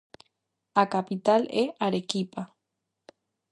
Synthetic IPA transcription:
akapit̪aleʔaɾekipa

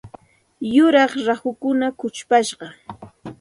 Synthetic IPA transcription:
jʊɾɑχɾahʊkʊnakʊt͡ʃpaʃɢɑ

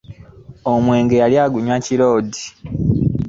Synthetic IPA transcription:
omwe̞ːŋɡe̞jaljaːɡuɲwaciɾo̞ːdi̥

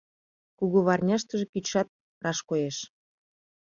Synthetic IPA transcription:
kuɣuβɑrnʲɑʃt̪əʒĕkyʃɑt̪̚ | rɑʃkojeʃ

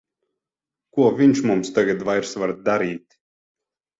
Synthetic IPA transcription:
kuɔvʲiɲʲt͡ʃmumst̪aɡad̪vajɾsvaɾd̪aɾiːt̪

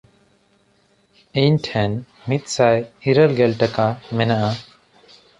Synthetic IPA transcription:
iɲʈʰɛn | mit̪̚ˀsajiɾəlɡɛlʈakamɛnaʔa

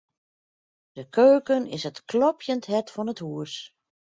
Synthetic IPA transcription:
d̥əkʰøːkənɪsətklɔpʰjəntɦɛtfɔnəthuəs

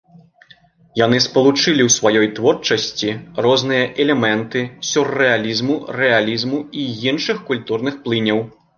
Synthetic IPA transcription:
janɨspɐlˠut͡ʂɨlʲiwsʋajɔjt̪vɔrt͡ʂɐsʲt͡sʲirɔznɨjɐʔɛlʲɛmɛnt̪ɨsʲurːɛalʲizmurɛalʲizmuiinʂɨxkulʲt̪urnɨxplˠɨnʲɐw

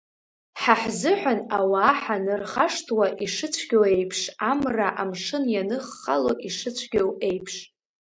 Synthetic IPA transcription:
ħaħzɨħʷanawaːħanɨrχaʂtʰwaʔiʂɨt͡sʷʰɡ̥ʲowe̞jpʰʂamraʔamʂɨnjanɨχːaloʔiʂɨt͡ɕʷʰɡʲowe̞jpʰʂ

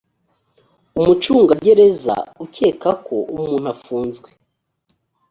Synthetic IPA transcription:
umut͡ʃuːŋɡaɟe̞ɾe̞za̰uce̞ːkakʰo̞ʔumuːn̥hafuːnzɡwe

